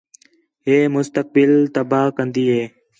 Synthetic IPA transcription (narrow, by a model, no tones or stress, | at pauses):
ɦeːmʊst̪ək̚bɪlt̪əbaːkənd̪iːɦeː